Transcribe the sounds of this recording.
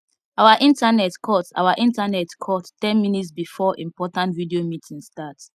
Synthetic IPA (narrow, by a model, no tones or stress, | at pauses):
awaʔĩntanɛtkʰɔta̰waʔĩntanɛtkʰɔttɛ̃nmĩnitsbifɔʔĩmpɔtãntvidiomitʰĩŋstats